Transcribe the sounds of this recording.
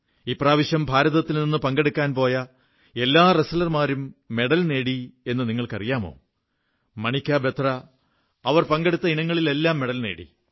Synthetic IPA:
iːpraːʋiɕjɐmbʱaːɾɐðɐt̪ːilninːɨpɐŋɡeɽukʲːaːnpo̞ːjɐ | e̞lːaːresɐlɐrmaːɾumːe̞ɽɐlne̞ːɽie̞nːɨniŋːɐɭkɐ̰rijaːmo̞̰ː | mɐɳikʲːaːbe̞t̪rɐ | ɐʋɐrpɐŋɡeɽut̪ːɐinɐŋːɐɭile̞lːaːmːe̞ɽɐlne̞̰ːɽḭ

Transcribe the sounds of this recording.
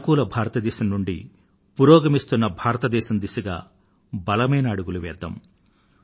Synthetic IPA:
kuːlɐbʱaːɾɐt̪ɐd̪ɛːʃɐmnuɳɖḭ | puːɾoːɡɐmist̪unːɐbʱaːɾɐt̪ɐd̪ɛːʃɐmd̪isɐɡa̰ː | bɐlɐmɐjnɐːɽuɡuluʋɛ̰ːd̪ːɐ̰m

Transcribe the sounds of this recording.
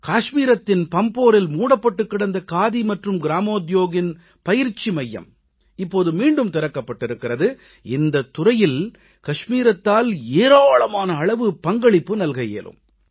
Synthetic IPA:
kaːʂmiːɾɐt̪ːɪnpɐmpoːɾɪlmuːɽɐpːɐʈːɯkːɪɽɐnd̪ɐkaːðimɐʈrɯmɡɪɾaːmoːd̪joːɣɪn | pɐjɪɾt͡ʃːimɐjːɐ̰m | ɪpːoːðɯmiːɳɖɯmt̪ɪɾɐkːɐpːɐʈːɪɾɯkːɪrɐðɯ | ɪnd̪ɐt̪ːʊrɐjɪl | kɐʂmiːɾɐt̪ːaːleːɾaːɭɐmaːnɐːɭɐʋɯpɐŋɡɐɭɪpːɯnɐlɣɐjḛːlɯ̰m

